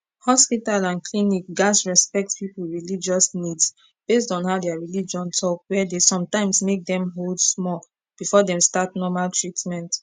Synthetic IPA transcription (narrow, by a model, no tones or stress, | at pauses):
hɔspitalãnklinik̚ɡasɹɛspɛk̚tpipul̩ɹilid͡ʒɔsnids | b̥estɔ̃nhaʊdɛaɹilid͡ʒɔ̃ntʰɔkwɛdesɔ̃mtãɪ̃msmek̚d̪ɛ̃mɦoldsmɔl | b̥ifɔdɛ̃mstatnɔmaltʰɹitmɛ̃nt